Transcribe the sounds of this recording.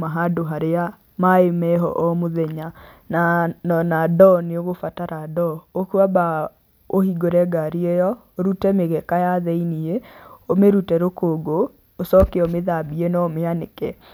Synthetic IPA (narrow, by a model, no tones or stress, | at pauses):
maɦadoɦaɾea | maemɛɦɔ̰ʔɔmoðɛɲa | nanɔnadɔneoɣofataɾadɔokuaba | ohiɡoɾɛɡaɾiejɔ | oɾutɛmeɣɛkajaðɛinieomeɾutɛɾokoɡoː | sɔkeomeðabienɔmeanekɛ